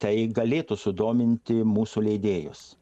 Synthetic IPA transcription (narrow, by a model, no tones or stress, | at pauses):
t̪ɐɪɡɐlʲeːt̪usʊd̪oːmʲɪnʲt̪ʲɪmuːsulʲɛɪd̪ʲeːjʊ̰s